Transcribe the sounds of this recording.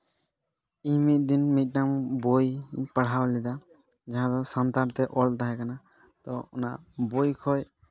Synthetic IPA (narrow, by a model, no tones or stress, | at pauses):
iɲmit̪̚ˀd̪inmit̪̚ˀnambojpaɽ̤awlɛd̪a | d͡ʒaɦãd̪ɔsant̪aɾt̪ɛʔɔlt̪aɦɛkana | t̪ɔɔna̰ʔbojkʰɔj